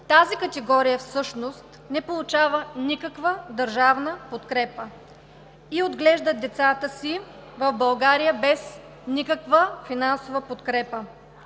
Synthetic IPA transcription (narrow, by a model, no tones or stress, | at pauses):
t̪azikət̪ɛɡɔɾijəfsɤʃnost̪ | nɛpolˠʊt͡ʃavənikəkvəd̪əɾʒavnəpot̪kɾɛpə | iod̪ɡlɛʒd̪ət̪̚d̪ɛt̪sat̪əsivɐvbɐlˠɡaɾijəbɛs | nikəkvəfinansovəpot̪kɾɛpə